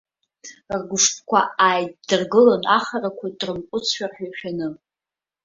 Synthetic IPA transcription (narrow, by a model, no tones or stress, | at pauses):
rɡʷʊʂpʰʼkʷʰa̰ajddɨrɡɨlonaχarakʷʰadrɨmqʷʼʊt͡sʰħᶣarħᶣajχʲᶣanɨ